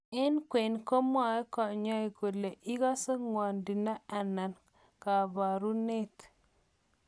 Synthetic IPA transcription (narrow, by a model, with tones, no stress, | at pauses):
e˦nkwe˨nko˦ma˨e˦kɔ˨ɲɔ˦i˨ko˨le˨ʔi˦ɡa˦sə˦ŋwa˨ndi˨na˦a˨na˨n | ka˨ba˨ɾu˦ne˦˨t